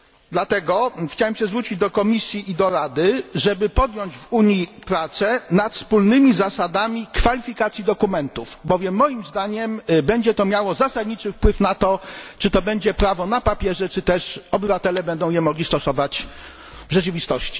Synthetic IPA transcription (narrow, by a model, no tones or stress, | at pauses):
d̪lat̪ɛɡɔxt͡ɕawɛmɕɛzvɾut͡ɕid͡ʑd̪ɔkɔmʲisʲjiʔːd̪ɔɾad̪ɘʐɛbɘpɔd̪jɔɲd͡ʑvuɲipɾat̪sɛnat̪fspulnɘmʲizasad̪amʲikfalʲifʲikat̪sʲjid̪ɔkumɛnt̪uvbɔvʲjɛmːɔjimzd̪aɲɛmbɛɲd͡ʑɛt̪ɔmʲjawɔzasad̪ɲit͡ʂɘfpwɘfnat̪ɔt͡ʂɘt̪ɔbɛɲd͡ʑɛpɾavɔnapapʲjɛʐɛt͡ʂɘt̪ɛʂɔbɘvat̪ɛlɛbɛnd̪ɔ̃w̃jɛmɔɡlʲist̪ɔsɔvat͡ɕ | vʐɛt͡ʂɘvʲist̪ɔɕt͡ɕi̥